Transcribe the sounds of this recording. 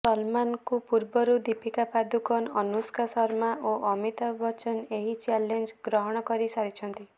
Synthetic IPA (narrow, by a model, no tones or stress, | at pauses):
sɔlmankupuɾbɔɾud̪ipʰikapad̪ukɔnɔnuskasɔɾmaʔoʔɔmit̪abɔt͡ʃɔneɦit͡ʃalend͡ʒɡɾɔɦɔɽ̃ɔkɔɾisaɾit͡ʃʰɔnt̪i